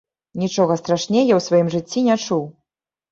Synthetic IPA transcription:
nʲit͡ʂɔɣɐst̪ɾaʂnʲejɐwsvajimʐɨt͡sʲːinʲat͡ʂuw

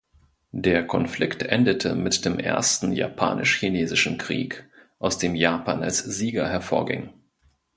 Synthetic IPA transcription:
d̥eːɐkʰɔnflɪktʔɛndətʰəmɪtd̥eːmʔḛːɐstn̩ja̰pʰa̰ːnʔɪʃçineːzɪʃn̩kʁ̥ḭːkʔaʊsd̥eːmjaːpʰaːna̰lsz̥iːɡɐɦɛɐfoːɐɡɪ̰ŋ

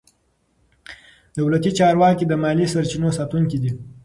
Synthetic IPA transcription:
d̪awlat̪it͡ʃɑɾwɑkid̪əmɑlisaɾt͡ʃinosɑt̪uŋkid̪i

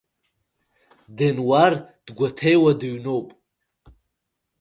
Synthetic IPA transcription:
denward̥ɡʷatʰejwadɨɥnowpʼ

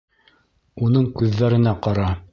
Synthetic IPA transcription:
unɤɴkʉðːæɾɘ̆næqɑɾɑ

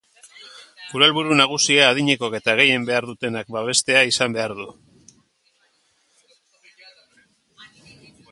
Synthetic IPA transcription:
kuɾalβuɾunaɣ̞usiaːð̞iɲe̞ko̞ke̞t̪aɣ̞e̞je̞mbe̞aɾðut̪e̞nak̚baβ̞e̞st̪e̞aisambe̞aɾðu

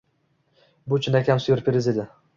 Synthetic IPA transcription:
bʊt͡ʃʰɪnakʲamsʊjɪɾpʰeɾɪzed̪ɪ

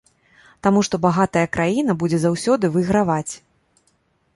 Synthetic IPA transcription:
t̪amuʂt̪ɔbaɣat̪ɐjɐkɾajinɐbud͡zʲɛzawsʲɔd̪ɨvɨɣɾavat͡sʲ

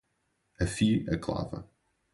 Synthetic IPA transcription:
əfiːəɡla̰və̰

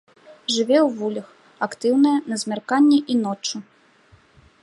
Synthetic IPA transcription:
ʐɨvʲɛwvulʲɐx | akt̪ɨwnɐjɐnɐzʲmʲarkanʲːɛʔinɔt͡ʂːu

